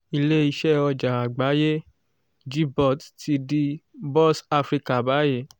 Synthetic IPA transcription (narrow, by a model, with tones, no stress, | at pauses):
i˧le˦i˧ʃɛ˦ɔ˧d͡ʒa˨a˨ɡ͡ba˨˦je˦ | d͡ʒi˦bɔ˦˨tti˧di˦bɔ˦sa˧fɾi˧ka˨ba˨˦je˦˨